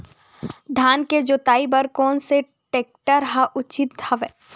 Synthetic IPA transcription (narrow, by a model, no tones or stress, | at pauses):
d̪ʱjaːnked͡ʒot̪aːibɐɾkɔːnse | ʈeːk̚ʈəɾɦaʔʊt͡ʃɪt̪̚d̪ʱʰɐʋeː